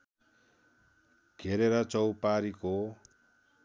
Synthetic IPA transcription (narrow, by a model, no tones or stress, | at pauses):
ɡʱeɾeɾʌt͡sʌwpaɾiko